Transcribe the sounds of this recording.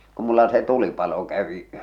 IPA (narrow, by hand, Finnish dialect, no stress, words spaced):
ku mulːɑ se tulipɑlo kæʋi